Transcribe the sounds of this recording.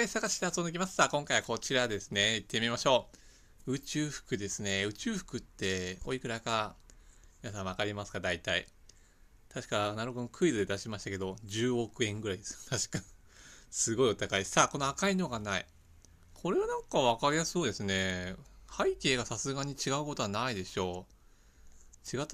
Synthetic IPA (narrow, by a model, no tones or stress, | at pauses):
esaɡaɕi̥it̪ehasonekʲimasɨ̥saːkõ̞ŋkaiβako̞t͡ɕiɾad̪e̞sɨne̞it̪ʰːe̞mʲimaɕo̞ː | ɯ̟t͡ɕɨːɸɯ̟̥kɯ̟d̪e̞sɨne̞ɯ̟t͡ɕɨːɸɯ̥kɯ̟t̪ːe̞o̰ikɯ̟ɾaka | mʲinas̬ãɰ̃akaɾʲimasɨ̥kad̪ait̪aḭ | t̪ʰaɕi̥kanaɾokonokʰɯ̟id̪od̪e̞d̪aɕimaɕit̪ake̞d̪o̞d͡ʑɨːo̞kɯ̟ẽ̞ŋɡɯ̟ɾaid̪esɨjot̪aɕi̥ka | sɨɡo̞io̞t̪akaisaːko̞no̞akaino̞ɡanaḭ | kʰo̞ɾe̞βanãŋkaβ̞akaɾʲijaso̞ːd̪e̞sɨne̞haike̞ːɡasasɨɡaɲ̟it͡ɕiɡaɯ̟ko̞t̪oanaid̪e̞ɕo̞ː | t͡ɕiɡat̪ː